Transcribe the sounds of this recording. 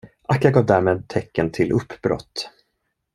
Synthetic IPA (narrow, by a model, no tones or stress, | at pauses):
ʔakːaɡɑːvd̪æːɾmeːd̪̚t̪ʰɛkːənt̪ʰɪlʔɵpʰːbɾɔ̰t̪ː